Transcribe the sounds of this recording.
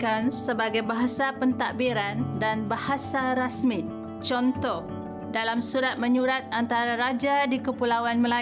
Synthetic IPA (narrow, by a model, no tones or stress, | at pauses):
kansəbaɡajbaɦasapənt̪aʔbiɾandanbahasaɾasmi | t͡ʃɔnt̪ɔh | dalamsuɾat̪̚mə̃ɲuɾat̪̚ant̪aɾaɾad͡ʒadikəpulawanməla